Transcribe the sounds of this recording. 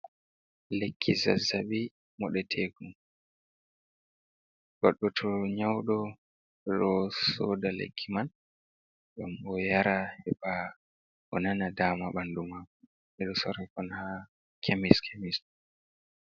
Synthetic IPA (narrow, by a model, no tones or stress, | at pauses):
lekʰːiza̰zaɓi | mɔɗɛtʰeɡum | ɡɔɗːɔtʰɔɲawɗɔ | ɗɔsɔːdalḛkʰːiman | ɡamɔjaɾahɛba | ɔnanadaːmaɓandumaku | ɛɗɔsɔɾɛkɔnha | kʰemiskʰemis